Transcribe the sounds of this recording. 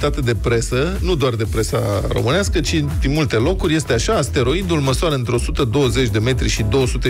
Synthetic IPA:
t̪at̪əd̪e̞pɾe̞sənud̪oard̪e̞pɾe̞sa̰ro̞̰mɨneaskət͡ʃid̪imult̪e̞lo̞kurʲje̞st̪e̞aʃaːst̪e̞ɾo̞id̪ulməsuaɾəɨnt̪ɾeo̞sut̪əd̪o̞wəze̞t͡ʃʲd̪e̞me̞t̪ɾiʃid̪o̞wəsut̪e

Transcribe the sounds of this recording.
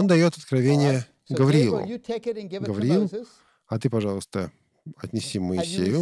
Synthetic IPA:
ond̪ɐjo̞t̪ɐt̪̚kɾɐvʲenʲɪjə | ɡəvɐɾʲɪil̰ˠʊ̰ɡəvɐɾɪilˠ | ɐt̪ɨpɐʐɑlˠəst̪ə | ɐ̰t̪ʲnʲɪsʲiməɪsʲejʊ

